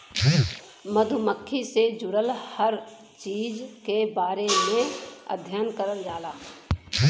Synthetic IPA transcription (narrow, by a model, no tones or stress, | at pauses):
məd̪ʱʊməkʰːised͡ʒʊɽəlhəɾ | t͡ʃiːd͡ʒkebaːɾemẽə̰d̪ʱjaːnkəɾəld͡ʒaːlaː